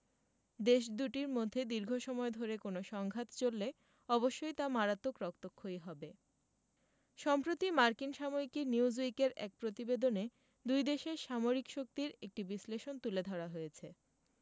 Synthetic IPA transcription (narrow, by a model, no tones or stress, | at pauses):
d̪eʃ̬d̪uʈiɾmod̪ʱːed̪iɾɡʱoʃɔmɔed̪ʱoɾekonoʃɔŋɡʱat̪t͡ɕolːe | ɔboʃːojt̪amaɾat̪ːokɾɔk̚t̪okʰːojɦɔbe | ʃɔmpɾot̪imaɾkinʃamoikiɾniwzikeɾɛk̚pɾot̪ibed̪one | d̪ujd̪eʃeɾʃamoɾikʃok̚t̪iɾek̚ʈibisleʃont̪uled̪ʱɔɾaɦojet͡ɕʰe